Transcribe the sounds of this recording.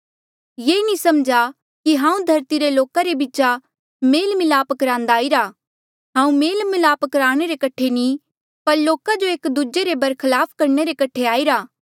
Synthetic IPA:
jeːnisɐmd͡ʒa | kiɦãːũd̪ʱɐɾt̪iɾeloːkaɾebit͡ʃa | meːlmɪlaːpkɾãːnd̪aːiɾa | ɦãːũmeːlmɪlaːpəkɾaːɽ̃eɾekɐʈʰeni | pɐɾloːkad͡ʒoeːkd̪ud͡ʒeɾebɐɾkʰɐlaːpʰkɐɾɳeɾekɐʈʰeaːiɾaː

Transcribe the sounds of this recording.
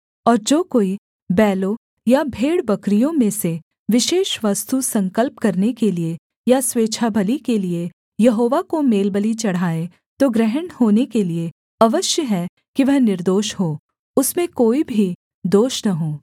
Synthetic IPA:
ɔːɾd͡ʒoːkoːi | bɛːlo | jabʱeːɽbɐkɾijõmẽse | ʋɪʃeːʃʋɐst̪usɐ̃ŋkəlp̚kɐɾnekelie | jasʋeːt͡ʃʃʰabʱəlikelie | jɐɦoːʋakomeːlbəlit͡ʃɐɽ̤aːe | t̪oɡɾɛɦəɳhoːnekelie | ɐʋəʃjəɦɛ | kiʋɐɦnɪɾd̪oːʃhoː | ʊsmẽkoːibʱi | d̪oːʃnɐɦoː

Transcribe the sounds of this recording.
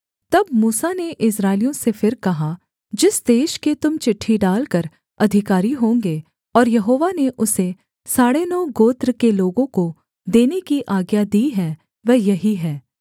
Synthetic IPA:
t̪ɐbmuːsaneʔɪsɾaːɪlijõsefɪɾkɐɦa | d͡ʒɪsd̪eːʃket̪ʊmt͡ʃɪʈʰːiɖaːlkəɾ | ɐd̪ʱɪkaːɾiɦõːŋɡeː | ɔːɾjɐɦoːʋaneʔʊse | saːɽenɔːɡoːt̪ɾkeloːɡõko | d̪eːnekiʔaːɡjad̪iːɦɛ̃ː | ʋɛːjɐɦiɦɛː

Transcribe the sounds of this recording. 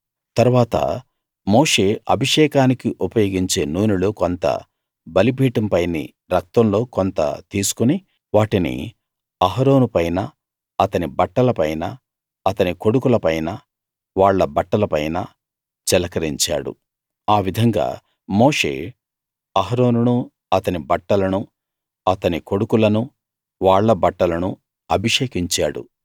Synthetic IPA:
t̪ɐɾuʋaːt̪ɐ̰ | mo̞ːʂe̞ːɐbʱiʂɛːkaːnikiʔupɐjoːɡiɲt͡ʃe̞ːnuːnulukont̪ɐ̰ | bɐlibʱiːʈɐmpɐjnḭ | ɾɐk̚t̪ɐmlo̞ːkont̪ɐ̰t̪iːsu̥kuni | ʋaːʈinḭ | ɐɦɐɾo̞ːnupɐjnɐ | ɐt̪ɐnibɐʈːɐlɐpɐjnɐː | t̪ɐniko̞ɽukulɐpɐjnɐ | ʋaːɭːɐbɐʈːɐlɐpɐjnɐ | t͡ʃɛlɐkɐɾiɲt͡ʃa̰ːɽṵ | aːʋid̪ʱɐŋɡa̰ː | moːʂe̞̰ː | ɐɦɐɾo̞ːnunu | ɐt̪ɐnibɐʈːɐlɐnu | ɐt̪ɐniko̞ɽukulɐnu | ʋaːɭːɐbɐʈːɐlɐnṵ | ɐbʱiʂeːkiɲt͡ʃa̰ːɽṵ

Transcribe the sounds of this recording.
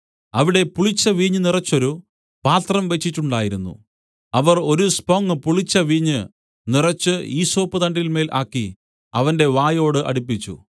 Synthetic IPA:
ɐʋiɽe̞puɭit͡ɕːɐʋiːɲːɨnirɐt͡ɕːo̞ɾu | paːt̪rɐmʋe̞t͡ɕːitːuɳɖaːjiɾunːṵ | ɐʋɐro̞ɾuspoːŋːɨpuɭit͡ɕːɐʋiːɲːɨ | nirɐt͡ɕːɨiːso̞ːpːɨðɐndilme̞ːlʔa̰ːkːi | ɐʋɐnde̞ʋaːjo̞ːɽɨʔɐ̰ɽip̬ːit͡ɕːṵ

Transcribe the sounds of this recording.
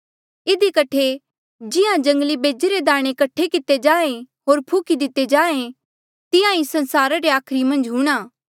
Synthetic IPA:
ɪd̪ikɐʈʰe | d͡ʒɪãd͡ʒɐ̃ŋɡlibeːd͡ʒeɾed̪aːɽ̃ekɐʈʰekɪt̪ːed͡ʒaːẽ | ɦoːɾpʰuːkid̪ɪt̪ːed͡ʒaːẽ | t̪ɪãĩsɐ̃nsaːɾaɾeaːkʰɾimɐ̃nd͡ʒɦũːɽ̃aː

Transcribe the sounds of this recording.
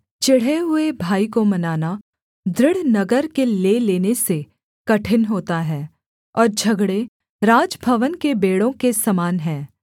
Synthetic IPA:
t͡ʃɪɽ̤eɦʊebʱaːikomɐnaːna | d̪ɾɪɽ̤nɐɡəɾkeleːleːnese | kɐʈʰɪnɦoːt̪aɦɛː | ɔːɾd͡ʒʱɐɡɽe | ɾaːd͡ʒbʱɐʋənkebeːɽõkesɐmaːnɦɛ̃ː

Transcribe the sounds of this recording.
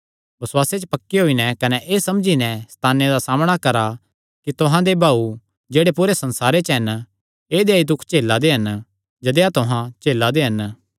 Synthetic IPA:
bɐswaːset͡ʃəpɐkːiɦoːinɛkɐnɛʔeːsɐmd͡ʒinɛ̃st̪ʰaːnːed̪asaːmɽ̃akɐɾa | kit̪ʊɦãd̪ebʱaːu | d͡ʒeːɽepuːɾesɐ̃nsaːɾet͡ʃɦɐn | eːd̪eid̪ʊkʰt͡ʃeːlːad̪eɦɐn | d͡ʒɐd̪eat̪ʊɦãt͡ʃeːlːad̪eɦɐn

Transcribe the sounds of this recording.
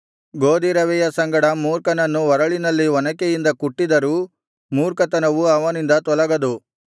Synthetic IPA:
ɡoːd̪iɾɐʋɛjɐsɐŋɡɐɽɐmuːɾkɐnɐnːuʋɐɾɐɭinɐlːiʋɐnɐkejind̪ɐkuʈːid̪ɐɾuː | muːɾkɐt̪ɐnɐʋuɐʋɐnind̪ɐt̪ɔlɐɡɐd̪u

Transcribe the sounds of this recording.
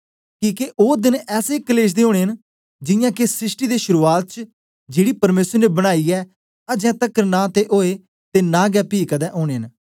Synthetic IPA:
kiːkeʔoːd̪ɪnɛːsekəleːʃ̬d̪eːɦoːɽ̃eːɦən | d͡ʒɪ̃jãːkesɾɪsʈiːd̪eːʃʊɾuːaːt̪̚t͡ʃ | d͡ʒeːɽiːpəɾmeːsəɾnebəɽ̃aːiːɛː | ad͡ʒɛ̃ːt̪əkːəɾnaːt̪eʔoːe | t̪eːnãːɡɛːpiːkad̪ɛːʔoːɽ̃eːɦən

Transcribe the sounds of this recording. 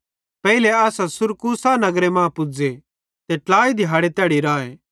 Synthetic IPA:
pɛːileaːsãsʊɾkusanɐɡɾemãːpʊd͡ze | t̪eʈlaːid̪ʱɪjɦaːɽet̪jaːɽiɾaːẽ

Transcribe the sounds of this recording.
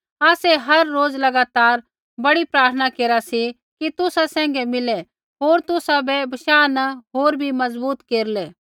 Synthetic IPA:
aːsɛɦɐɾːoːd͡zlɐɡaːt̪aːɾ | bɐɽipɾaːɾt̪ʰənakeːɾasi | kit̪ʊsasɛ̃ːŋ̆ɡɛmɪlɛ | ɦoːɾt̪ʊsabɛbɐʃaːnɐɦoːɾbʱimɐzbuːt̪keːɾlɛː

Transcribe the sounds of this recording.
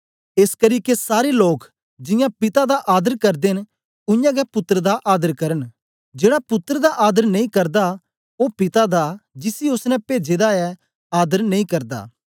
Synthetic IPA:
eːskɐɾiːkesaːɾeloːk | d͡ʒɪ̃jãpɪt̪ad̪aʔaːd̪əɾkɐɾd̪en | ʊ̃jãɡɛpʊt̪ːɾəd̪aʔaːd̪əɾkɐɾən | d͡ʒeːɽapʊt̪ːɾəd̪aʔaːd̪əɾnɐĩkɐɾd̪a | opɪt̪ad̪ad͡ʒɪsiʊsnɛpeːd͡ʒeːd̪aɛ | aːd̪əɾnɐĩkɐɾd̪a̰ː

